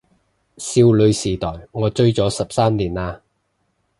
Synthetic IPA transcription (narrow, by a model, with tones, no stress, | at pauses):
siː˧wlɵ˨˧ɥsiː˨˩t̪ɔː˨˩jŋɔː˨˧t͡ʃɵ˥ɥt͡sɔː˨˥sɐ˨p̚saː˥mliː˨˩naː˧